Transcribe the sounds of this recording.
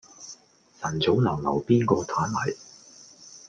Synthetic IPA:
sɐ˨˩nt͡so˨˥wnɐ˨˩wnɐ̰˨˩wpiː˥nkɔː˧t̪ʰaː˨˥nlɐ˨˩j

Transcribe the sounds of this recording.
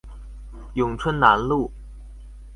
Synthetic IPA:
jʊ˨˩ŋʈ͡ʂʰwə˥nna˧˥nlu˥˩

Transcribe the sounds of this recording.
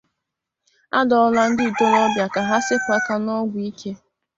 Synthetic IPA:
a˦dɔ˨ɔ˦la˦n̩˦dɪ˦i˨to˦ɾɔ˦bja˨ka˨ɦa˦sɪ˦kʷa˦ta˦nɔ˦ɡʷi˦kʰe˦

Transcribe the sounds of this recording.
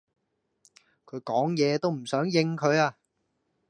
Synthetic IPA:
kʰɵ˨˧˥ɥkɔː˨˥ŋjɛː˨˧t̪o˥wm̩˨˩sœː˨˥ŋjɪ˧ŋkʰɵ˨˧ɥaː˧

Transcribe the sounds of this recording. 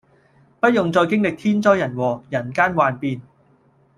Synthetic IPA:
pɐ˥t̚jʊ˨ŋt͡sɔː˧jkɪ˥ŋlɪ˨k̚t̪ʰiː˥nt͡sɔː˥jɐ˨˩nwɔː˨˩jɐ˨˩nkaː˥nwaː˨npiː˧n

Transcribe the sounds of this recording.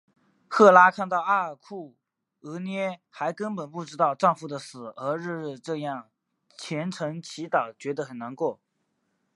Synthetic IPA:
xɤ˥˩la˥kʰa˥˧nt̪ɑ˥˧ʊa˥˩ə˨˩kʰu˥˩ | ɤ˧˥njɛ˥xa˧˥ɪkə˥npə˨˩npu˥˩ʈ͡ʂɻ̩˥t̪ɑ˥˧ʊʈ͡ʂɑ˥˧ŋfu˧˩d̪ə˩sɹ̩˨˩ə˧˥ɻ̩˥˧ɻ̩˥˧ʈ͡ʂɤ˥˧jɑ˥˩ŋ | t͡ɕʰjɛ˧˥nʈ͡ʂʰɤ˧˥ŋt͡ɕʰi˧˥t̪ɑ˨˩ʊt͡ɕɥɛ˧˥d̪ə˧xə˨˩nna˧˥nkwɔ˥˩

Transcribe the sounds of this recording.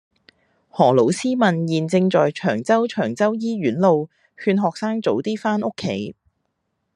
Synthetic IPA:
hɔː˨˩lo˨˥wsiː˥mɐ˨njiː˨nt͡sɪ˧ŋt͡sɔː˨jt͡ʃʰœː˨˩ŋt͡sɐ˥wt͡ʃʰœː˨˩ŋt͡sɐ˥wjiː˥ɥyː˨˥nlo˨˧w | hyː˧nɦɔː˨k̚saː˥ŋt͡so˨˥wt̪iː˥faː˥nʔʊ˥kʰːe˨˥˦j

